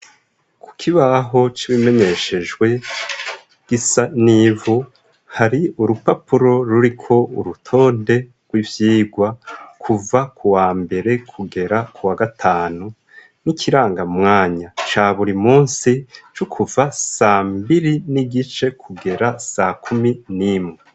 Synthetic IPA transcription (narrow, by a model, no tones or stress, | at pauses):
kʰu̥kʰiβaɦo̞t͡ʃiβime̞ɲe̞ʃe̞ʒɡwe̞ | ɡ̥isaniːvu | haɾiuɾupapʰuɾo̞ɾuɾikʰo̞uɾutʰo̞ːnde̞ | ɡ̥wivjiːɡwakʰuvakʰuwaːmbe̞ɾe̞kʰuɡe̞ɾakʰuwaɡatʰaːnu | nikʰiɾaːŋɡamŋaːɲat͡ʃaːβuɾimuːnsit͡ʃukʰuvasaːmbiɾiniɡit͡ʃe̞kʰuɡe̞ɾasakʰuminimŋe